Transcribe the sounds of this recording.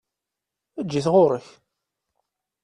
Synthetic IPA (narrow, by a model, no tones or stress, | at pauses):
æd͡ʒːiθʁʊɾəç